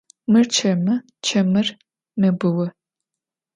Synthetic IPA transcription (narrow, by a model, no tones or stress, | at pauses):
mɨrt͡ʃʰɐmɐ | t͡ʃʰɐmɨr | mɐbɨwɐ